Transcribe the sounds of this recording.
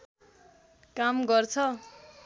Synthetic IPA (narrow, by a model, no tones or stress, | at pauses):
kamɡʌrt͡sʰʌ